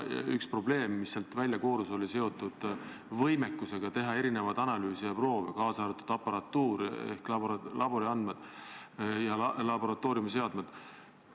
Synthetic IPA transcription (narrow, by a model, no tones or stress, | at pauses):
ykspro̞ble̞ːmːisːelt̪vælʲjɑko̞ːɾuso̞lʲise̞o̞t̪ːud̪̥ | vɤjme̞kːˑuse̞ɡ̥ɑt̪e̞ɦɑe̞ɾine̞vɑd̪ɑnɑlyːsijɑpro̞ːvḛkɑːsɑːɾɑt̪ːud̪̥ɑpːɑɾɑt̪ːuːɾḛhkllʔɑbo̞ɾiɑnd̪med̪̥ | jɑlɑbo̞ɾɑt̪ːˑo̞ːɾjumse̞ɑd̪̥med̪̥